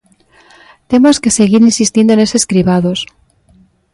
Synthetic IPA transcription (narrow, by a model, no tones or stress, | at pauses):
t̪e̞moske̞se̞ɣiɾinsist̪je̞nd̪oene̞se̞skɾiβaðos